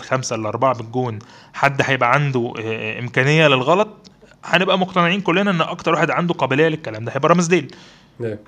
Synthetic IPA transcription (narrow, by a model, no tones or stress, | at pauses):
lxæmsæʔlʔɑ̰ɾˤbaʕabeɡːuːnħad̪ːħæjebʔæʕand̪oʔemkæːnejːælelɣɑlɑt̪ˤħænebʔæmoq̚t̪ɑneʕiːnkolːenæʔenːʔɑk̚t̪ɑɾˤwaħed̪ʕand̪oqɑbilejælekːælæːmd̪æhæjebʔæɾˤɑmzd̪eːl